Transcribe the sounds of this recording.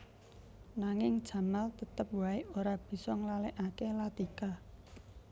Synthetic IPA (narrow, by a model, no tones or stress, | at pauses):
naŋɪŋd̥ʒ̥a̤malt̪ət̪əp̚waɪoɾab̥i̤sɔŋlalɛʔakelat̪ika